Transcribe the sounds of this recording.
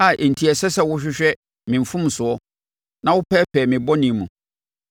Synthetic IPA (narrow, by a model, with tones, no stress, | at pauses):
a˦˨ʔn̩˨tʰi˨ɛ˨sɛ˦sɛ˦˨wʊ˦ɕᶣɪ˦ɕᶣɛ˦ | mɪ̃˨ɱ̩˨fʊ̃˦m˨sʊ˨ɔ˦ | nã˦wʊ˦pʰɛː˦pʰɛː˨mɪ̃˨bɔ˦nĩ˨˦mũ˨